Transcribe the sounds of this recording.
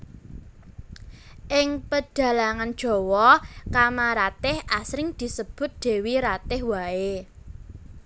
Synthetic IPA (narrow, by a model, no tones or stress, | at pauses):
ʔɪŋpəd̥a̤laŋand̥ʒ̥ɔ̤wɔkamaɾat̪ɪhʔasɾɪŋd̪̥i̤səb̥ʊ̤t̪̚d̪̥e̤wiɾat̪ɪhwae